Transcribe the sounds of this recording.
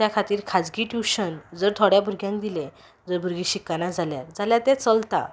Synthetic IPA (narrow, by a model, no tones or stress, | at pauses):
t̪jakʰat̪iːɾkʰad͡zɡiːʈjuɕənd͡zəɾt̪ʰɔɽjabʱuɾɡjãŋkd̪ilẽ | d͡zəɾbʱuɾɡiːɕikːanad͡zʱalja̰ɾd͡zaljat̪ɛ̃t͡səlt̪a̰